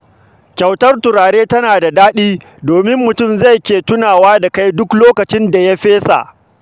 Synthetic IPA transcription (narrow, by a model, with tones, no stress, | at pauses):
kʲa˨wtɐ˦rtʊ˨ɾaː˨ɽeː˦tɐ˦naː˨da˨daː˦ɗiː˦ | doː˨mɪ˦mːʊ˨tʊ˦˨mza˦˨jkʲeː˨tʊ˦naː˨waː˦da˨ka˦jdʊ˦kloː˦kɐ˨t͡ʃɪ˦nda˨ja˦ɸeː˦sa̰˨ʔ